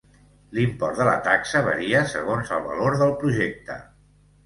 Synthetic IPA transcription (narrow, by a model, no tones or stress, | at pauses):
limpɔrd̪ələ̰t̪aksəβə̰ɾiəsə̰ɣonzəlˠβə̰loɾðəlˠpɾuʒek̚t̪ə̰